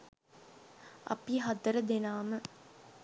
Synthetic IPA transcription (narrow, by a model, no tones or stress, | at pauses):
ɐ̰piɦad̪əɾəd̪enaːmə